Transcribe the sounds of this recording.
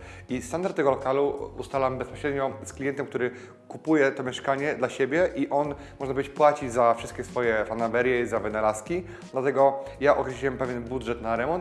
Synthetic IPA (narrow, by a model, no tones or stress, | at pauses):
ist̪and̪aɾt̪ːɛɡɔlɔkaluust̪alambɛspɔɕɾɛd̪ɲɔsklʲijɛnt̪ɛmk̚t̪uɾɘ | kupujɛt̪ɔmʲjɛʂkaɲɛd̪laɕebʲjɛʔiʔɔnmɔʐnapvɔd͡ʑet͡ɕpwat͡ɕid͡ʑzafʂɘst̪kʲɛsfɔjɛfanavɛɾjɛizavɘnalaskʲi | d̪lat̪ɛɡɔjaʔɔkɾɛɕliwɛmpɛvʲjɛnbud̪ʐɛt̪naɾɛmɔnt̪